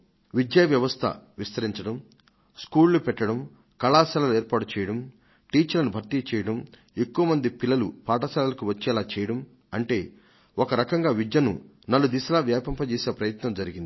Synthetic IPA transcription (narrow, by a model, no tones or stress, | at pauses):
ʋid̪jɐʋjɐʋɐst̪ʰɐ̰ʋist̪ɐɾiɲt͡ʃɐɽɐm | skuːlːupɛʈːɐɽɐm | kɐlaːsɛlɐlueːɾpaːʈut͡ʃɛːjɐɽɐm | ʈiːt͡ʃɐlɐnubʱɐɾt̪it͡ʃɛːjɐɽɐm | e̞kːuʋɐmɐnd̪ipilːɐlupaːʈɐsɛːlɐlɐkuʋɐt͡ʃːɛːlaːt͡ʃɛːjɐɽɐm | ɐɳʈe̞ː | okɐɾɐkɐŋɡaːʋid̪jɐnṵ | nɐlːud̪isɐlaːʋjaːpɐmpɐt͡ʃeːse̞ːpɾɐjɐt̪nɐmd͡ʒɐɾiɡind̪i